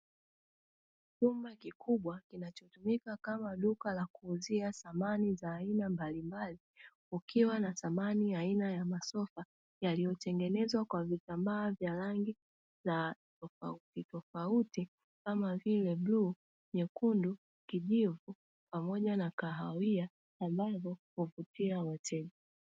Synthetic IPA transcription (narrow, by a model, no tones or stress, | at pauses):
t͡ʃumbakikuɓwakinat͡ʃɔtumikakamaɗukalakuːziasamanizaːinambalimbali | ukʰiwanaθamaniainajamasɔfa | jalijɔtɛŋɡɛnɛzwakwavitambaːvjaɾaŋɡi | zatɔfa̰utitɔfauti | kamavilɛɓluː | ɲɛkundu | kiʄivu | pamɔʄanakaɦawiaː | mbavɔhuvutiawatʰɛɗi